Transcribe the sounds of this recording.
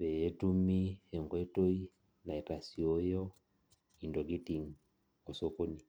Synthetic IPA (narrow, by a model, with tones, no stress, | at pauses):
βɛ˨ɛ˦tu˦mi˦ɛ˨ŋɡɔ˦ɛ˦to˦i˦ | na˨ɛ˨ta˨si˨ɔ˦jɔ˦ | i˨ndɔ˨ɡi˦ti˨ŋ | ɔ˨sɔ˦ko˦ni˨